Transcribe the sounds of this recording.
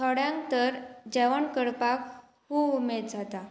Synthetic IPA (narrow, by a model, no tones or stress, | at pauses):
t̪ʰɔɽjãŋkt̪əɾd͡ʑɛʋəɳkəɽpak | ɦuumed̪̚d͡zʱat̪a